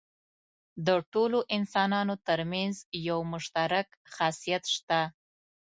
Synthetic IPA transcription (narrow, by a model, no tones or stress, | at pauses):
d̪əʈoloʔɪnsɑnɑnot̪əɾmanzjawmʊʃt̪aɾak | xɑsijat̪ʃt̪a